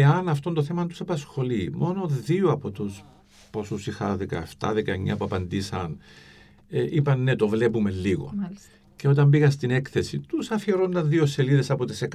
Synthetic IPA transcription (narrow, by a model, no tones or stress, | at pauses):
eɐnɐft̪o̞nd̪oθe̞mɐnt̪usɐpɐsxo̞limʔo̞no̞ðioɐpo̞t̪us | posusixɐðikɐ̰eft̪ɐ̰ðekɐeɲːɐ̰puɐpɐnd̪isɐn | ʔipɐnːet̪o̞vle̞pume̞lːiɣo̞̰ | ceo̞t̪̬ɐmbiɣɐst̪ine̞kθe̞sit̪usɐfiɾonːɐðiose̞liðesɐpot̪esek